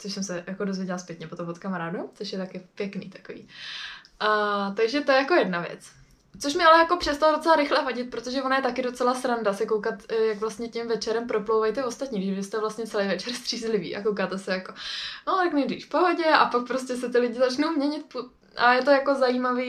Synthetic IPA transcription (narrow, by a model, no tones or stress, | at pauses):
t͡soʃsɛmsɛjakodo̞zvjɛɟɛlaspjɛt̪ɲɛpot̪ompot̪kamaɾaːdot͡soʃjɛt̪akɪpjɛknḭːt̪ḁkovḭːʔat̪aɡʒɛt̪ojɛjako̞jɛdnavjɛ̰t͡s | t͡soʃmɪalɛjako̞pr̥ɛst̪alado̞t͡sɛlaɾɪxlɛvaɟɪt̪̚pɾot̪oʒɛvo̞najɛt̪akɪdo̞t͡sɛlasɾandasɪkowkat̪jaɡvlast̪ɲɛcɪmvɛt͡ʃɛɾɛmpɾo̞plowvajt̪ɛvost̪at̪ɲiːɡdɪbɪst̪ɛvlast̪ɲɛt͡sɛlejvɛt͡ʃɛɾst̪r̝̥iːzlɪvḭːʔa̰kowkaːt̪ɛsɛjakonot̪ɛknɛjdrḭːfpoɦoɟɛʔapak̚pɾoscʲɛs̬ɛt̪ɪlɪɟɪzat͡ʃnowmɲɛɲɪt̪̚pu | ʔajɛt̪o̞jako̞zajiːmaviː